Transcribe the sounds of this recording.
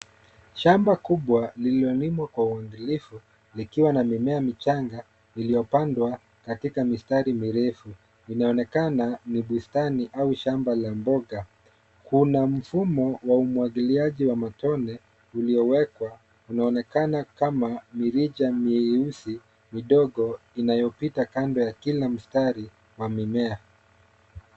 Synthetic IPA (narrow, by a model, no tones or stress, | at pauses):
ʃambakuɓwalililɔlimwakwauwaŋɡilifu | likiwanamimɛamit͡ʃaŋɡa | nilijɔpandwa | katikamistaɾimiɾɛfu | inaɔnɛkananiɓustaniʔauʃambalambɔɡa | kunam̩fumɔwaumwaɠiliaʄiwamatɔnɛ | uliɔwɛkwa | unaɔnɛkanakamamiɾiʄamiɛusi | miɗɔɠɔ | inajɔpitakandɔjakilam̩staɾi | wamimɛa